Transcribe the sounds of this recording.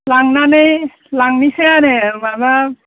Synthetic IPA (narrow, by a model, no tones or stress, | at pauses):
laŋnanej | laŋniseanemaba